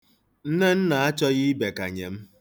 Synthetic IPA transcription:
n̩˦ne˦n̩˦na˨a˦t͡ʃɔ˦ɣi˦be˨ka̰˨ɲḛ˨m̩˦

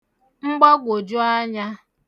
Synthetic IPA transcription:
ŋ͡m̩˦ɡ͡ba˦ɡʷo˨d͡ʒʊ˦a˦ɲa˦

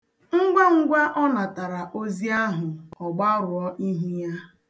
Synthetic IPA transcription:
ŋ̩˦ɡʷa˦ŋ̩˦ɡʷa˦ʔɔ˦na˨ta˨ɾa˨ʔo˦zi˦a˦ɦʊ˨ɔ˨ɡ͡ba˦ɾʊ˨ɔ˦ʔi˦ɦi˦ja˦

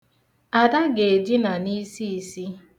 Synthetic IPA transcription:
a˨da˦ɡe˨d͡ʒi˦na˨ni˦si˦i˨si˦

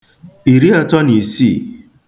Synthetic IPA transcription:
i˨ɾi˦ɔ˨tɔ˦ni˨si˦˨

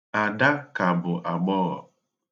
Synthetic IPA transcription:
a˨da˦ka˨bʊ˨ʔa˨ɡ͡bɔː˦ɣɔ̰˨

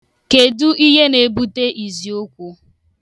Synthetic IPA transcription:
ke˨du˦ʔi˦ɦe˦ne˨bu˦te˦ʔi˨zi˨o˦kʷu˦

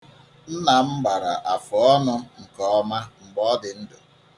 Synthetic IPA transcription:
n̩˦na˨m̩˦ɡ͡ba˨ɾa̰˨ʔa˨fɔ˨ɔ˦nʊ˦ŋ̩˨kɔ˨ɔ˦ma˦m̩˨ɡ͡bɔ˦dɪ˨n̩˦dʊ˨

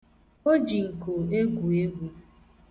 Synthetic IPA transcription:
o˦d͡ʒi˨ŋ̩˨ko˨e˦ɡu˨e˦ɡʷu˦

